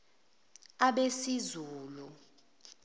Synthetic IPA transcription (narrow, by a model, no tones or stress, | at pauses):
aɓesizuːlu